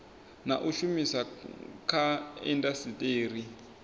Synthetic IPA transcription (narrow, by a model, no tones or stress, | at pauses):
naʔuʃumisakʰaɛ̰ndasitʼeːɾi